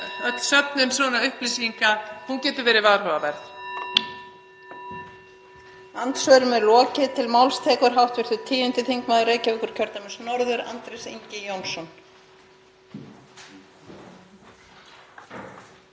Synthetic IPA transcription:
œt̪sœp̚nʏnsvɔːnaʏhplisiŋkahuncɛːt̪ʏɾvɛːɾɪvaɾ̥hœːvavɛɾθ | ant̪svœɾʏmɛðlɔːcɪt̪ʰɪlmawlst̪ʰɛːkʏɾ̥ɦawht̪vɪɾ̥θʏt̪ʰiːjʏnt̪ɪθiŋkmaðʏɾeːjcavɪkʏɾ̥cʰœɾt̪amʏnsnɔɾðʏɾa̰nt̪ɾejsḭɲcɪjownsɔn

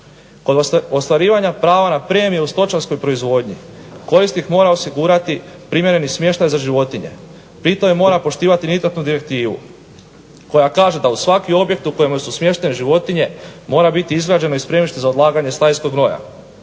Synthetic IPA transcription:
ko̞d̪ost̪ʋaɾiːʋaɲapɾaːʋanapɾe̞ːmijeust̪o̞t͡ʃansko̞jpɾo̞izʋo̞ːd̪ɲḭko̞ɾist̪ixmo̞ːɾao̞siɡuːɾat̪ipɾimje̞ɾe̞nixsmʲjeʃt̪ajzaʒiʋo̞t̪iɲe̞̰ | pɾit̪omemo̞ːɾapo̞ʃt̪iːʋat̪iniznat̪nud̪iɾe̞k̚t̪iːʋṵ | ko̞jakaːʒe̞d̪ausʋakio̞bje̞k̚t̪uko̞jemojsusmje̞ʃt̪e̞nʒiʋo̞t̪iɲe̞mo̞ːɾabit̪iizɡɾad͡ʑe̞noispɾe̞miʃt̪izao̞d̪lˠaːɡaɲe̞st̪ajsko̞ɡno̞ja̰

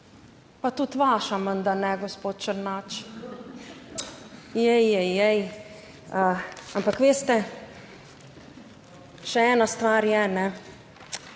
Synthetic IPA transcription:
pat̪ut̪ʋaːʃamənd̪anɛɡɔspoːt̪̚t͡ʃəɾnaːt͡ʃ | jɛjːɛjɛj | əampakʋeːst̪ɛ | ʃɛɛːnast̪ʋaːɾjɛnɛ

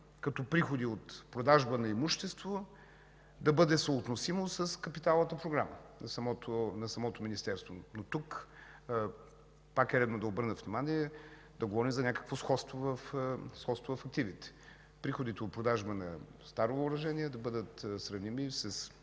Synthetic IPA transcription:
kɐt̪ɔpɾixod̪iot̪pɾod̪aʒbənɐimuʃt̪ɛst̪vo | d̪ɐbɤd̪ɛsoːt̪nosimosəskɐpit̪alˠnət̪əpɾoɡɾamənɐsɐmɔt̪onɐsɐmɔt̪ominist̪ɛɾst̪vo̰not̪uk | pakɛɾɛd̪nod̪ɐobɤɾnət̪vnimaniɛ | d̪ɐɡovɔɾimzɐnʲakə̥kvosxɔt̪st̪vovɐfsxɔt̪st̪vovɐfɐk̚t̪ivit̪ɛ̥ | pɾixod̪it̪ɛot̪̚pɾod̪aʒbənɐ̰st̪aɾovəːɾɐʒɛnʲiɛd̪ɐbɤd̪ət̪sɾɐvnimisɐs

